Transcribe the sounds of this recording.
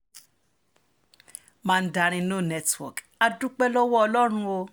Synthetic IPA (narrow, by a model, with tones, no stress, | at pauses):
mã˦˧n̩˦da˧ɾ̃ĩ˧no˦˨nɛ˧twɔ̰˨k | a˧du˦k͡pɛ˦lɔ˦wɔ˦ɔ˧lɔ˦ɾ̃ũ˧o˧